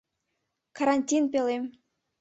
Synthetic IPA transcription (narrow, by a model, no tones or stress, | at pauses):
kaɾanʲtʲinpʲelʲemʲ